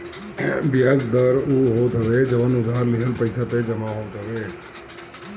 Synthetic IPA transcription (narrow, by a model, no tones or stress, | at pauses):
bjaːd͡ʒd̪əɾuɦoːt̪əʋed͡ʒəʋanʊd̪ʱaɾliɦəlpəjsaped͡ʒəmaɦot̪əʋe